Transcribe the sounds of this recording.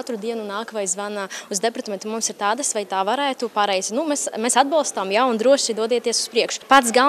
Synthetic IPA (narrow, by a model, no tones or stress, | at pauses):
at̪ɾud̪iɛnunaːkvajzvanauzd̪ɛpɾt̪mʲent̪umumsiɾt̪aːd̪asvajt̪aːvaɾæːt̪upaɾɛjzʲnumesmesad̪̚bɑlˠst̪amjaund̪ɾuɔʃid̪uɔd̪iɛt̪iɛsu̥spɾiɛkʃʊ̥pat̪sɡa